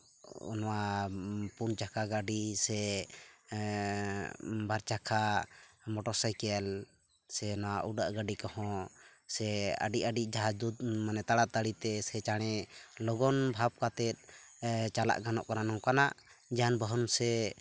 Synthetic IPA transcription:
ɔ̰nɔwa | punt͡ʃakʰaɡaɖisɛ | baɾt͡ʃakʰamɔʈɔsajkɛl | sɛnɔwaʔuɖaʔɡaɖikɔhɔ̃sɛə̰ɖiʔaɖiʔ̚d͡ʒaɦad͡ʒd̪ut̪̚manɛt̪aɽat̪aɽit̪ɛsɛt͡ʃaɽ̃ɛlɔɡɔnbʱap̚kat̪ɛt̪̚ˀt͡ʃala̰ʔɡanɔ̰ʔkananɔkanaʔ | d͡ʒanbəɦɔnsɛ

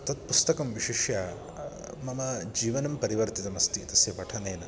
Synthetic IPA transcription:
t̪ɐt̪̚pust̪ɐkɐmʋiʂiʃjɐ | mɐmɐd͡ʒiːʋɐnɐmpɐɾiʋɐɾt̪it̪ɐmɐst̪it̪ɐsjɐpɐʈʰɐneːnɐ

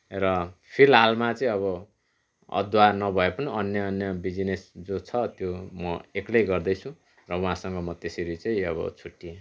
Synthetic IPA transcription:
rʌpʰilɦalmat͡sʌĩʌβʌ | ʌ̰d̪wanʌbʱʌepʌniʌnjʌːnjʌbid͡zinesd͡zot͡sʰʌt̪jomʌeklʌjɡʌrd̪ʌjt͡sʰũ | rʌwãɦãsʌŋɡʌmʌt̪esʌɾit͡saĩʌβʌ̰t͡sʰuʈːie

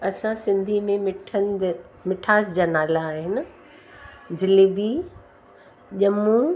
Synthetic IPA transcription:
ɐsãsɪ̃nd̪ʱimẽmɪʈʰənɪ | mɪʈʰaːsd͡ʑaːnaːlaːɦɪnɪ̆ | d͡ʑɪlibi | ʄɐmũ

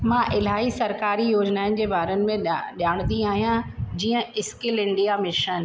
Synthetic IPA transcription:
mãːʔɪlaːisɐɾkaːɾijoːd͡ʑnaːɪn̆d͡ʑeːbaːɾənɪ̆mẽɗjaːɽ̃nd̪ĩaːɦijãd͡ʑiːə̃ɪskɪlɪ̃ɳɖijamɪʃən

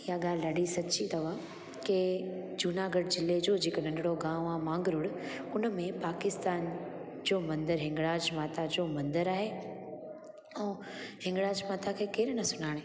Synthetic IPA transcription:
ijaɠaːlɪɗaɖisɐt͡ɕit̪ɐʋə | ked͡ʑunaːɡəɖd͡ʑɪlːed͡ʑoːd͡ʑɪːkonɐ̃ɳɖɪɽoɡãːʋõaːmãːŋɡɾʊɽ | ʊnə̆mẽpaːkɪst̪aːn | d͡ʑoːmɐ̃nd̪əɾɦɪ̃ŋɡɽaːd͡ʑmaːt̪ad͡ʑoːmɐ̃nd̪əɾaːɦe | ɛ̃ː | hɪ̃ŋɡɽaːd͡ʑmaːt̪akʰeːkeːɾnɐsʊnaːɽ̃eː

